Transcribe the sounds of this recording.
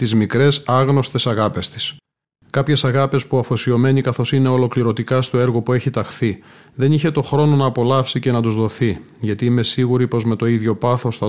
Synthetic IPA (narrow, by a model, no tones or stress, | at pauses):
t̪izmikɾe̞sɐɣno̞st̪e̞sɐɣɐpe̞st̪i̥s | kɐpçe̞sɐɣɐpe̞spuɐfo̞sio̞me̞nikɐθo̞sine̞o̞lo̞kliɾo̞t̪ikɐst̪o̞e̞ɾɣo̞pue̞çit̪ɐxθi | ðe̞niçe̞t̪o̞xɾo̞no̞nɐːpo̞lɐfsice̞nɐt̪uzðo̞θi | ʝɐt̪iime̞siɣuɾipo̞zme̞t̪o̞iðʝo̞pɐθo̞sθɐ